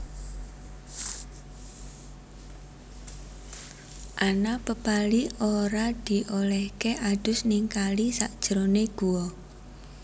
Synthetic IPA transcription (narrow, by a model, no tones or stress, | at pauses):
ʔanapəpalioɾad̪̥i̤ʔolɛhkeʔad̪̥ʊ̤sniŋkalisaʔd̥ʒ̥ɾoneɡ̥uwɔ